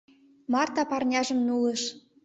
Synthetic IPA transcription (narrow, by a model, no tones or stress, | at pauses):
mɑrt̪ɑpɑrnʲɑʒə̆mnulɤ̆ʃ